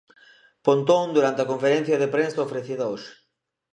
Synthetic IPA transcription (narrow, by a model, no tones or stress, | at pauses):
pont̪õŋd̪uɾant̪eɐkõɱfeɾẽn̟θjɐðepɾensɐofɾeθiðɐoʃ